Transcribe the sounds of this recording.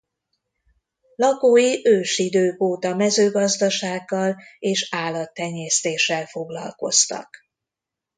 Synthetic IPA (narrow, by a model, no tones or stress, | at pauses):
lɒkoːjiʔøːʃid̪øːkoːt̪ɒmɛzøːɡɒzd̪ɒʃaːɡːɒleːʃaːlːɒt̪ːɛɲːɛːst̪eːʃːɛlfo̞ɡlɒ̰lko̞̰st̪ɒ̰k